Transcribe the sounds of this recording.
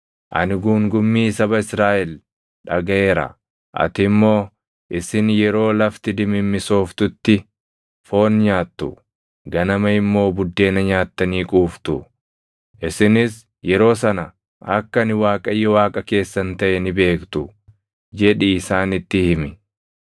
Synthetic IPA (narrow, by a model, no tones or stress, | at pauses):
ʔɐ̰nɪɡuːŋɡʊmːiːsɐbɐɪsɾaːʔɛl | ᶑɐɡɐʔe̞ːɾɐ̰ | ʔɐ̰t̪ɪmːo̞ː | ʔɪsɪnjɛɾo̞ːlɐft̪ɪd̪ɪmɪmːɪso̞ːft̪ʊt̪ːɪ | fo̞ːnɲaːt̪ːʊ̰ | ɡɐnɐmɐɪmːo̞ːbʊd̪ːe̞ːnɐɲaːt̪ːɐniːkʼuːft̪ʊ | ʔɪsɪnɪs | jɛɾo̞ːsɐnɐ | ɐkːɐnɪwaːkʼɐjːɔwaːkʼɐke̞ːsːɐnt̪ɐʔɛnɪbe̞ːkt̪ʊ | d͡ʒɛᶑiːsaːnɪt̪ːɪhɪmɪ